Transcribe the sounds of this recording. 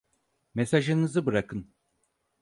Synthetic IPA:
mesaʒɯnɯzɯbɯɾakʰɯn

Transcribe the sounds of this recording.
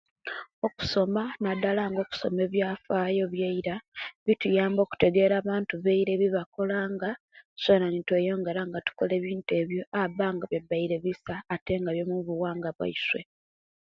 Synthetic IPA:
o̞ku̥so̞manadalaːŋɡo̞ːku̥so̞̰me̞ːβjaːfaːjo̞βjaiɾaβitujaːmbo̞ːku̥te̞ɡe̞ːɾaːβaːntuβeiɾe̞βiβako̞laːŋɡa | sonanitweːjo̞ːŋɡe̞ɾaŋɡatu̥ko̞le̞ːβiːnte̞ːβjo̞aβaːŋɡaβjebːaiɾe̞βisaːte̞ŋɡaβjo̞muβuwaːŋɡaβwa̰iswe̞̰

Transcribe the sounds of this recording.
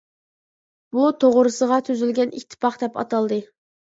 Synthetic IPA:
but̪ʰoʁɾɨsəʁɑt̪ʰyzylɡʲɛnikʲt̪ʰːɪ̥pʰɑχd̪ɛpɑ̰t̪ɑlˠd̪ɨ

